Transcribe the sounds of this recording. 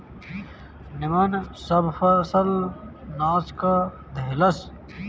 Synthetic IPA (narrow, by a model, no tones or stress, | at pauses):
nimɐnsɐbfɐsɐl | naːska | d̪ɐlɐs